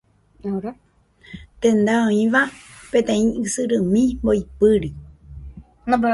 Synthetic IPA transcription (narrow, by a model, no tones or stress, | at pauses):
aɾa | t̪ẽ̞nd̪aõĩʋapẽ̞t̪ẽ̞ĩɨsɨɾɨmĩmboipɨɾi | nãb